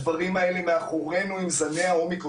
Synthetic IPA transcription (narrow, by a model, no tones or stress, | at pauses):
vaʁimaelemeaχoʁe̞nuimzaneao̞mik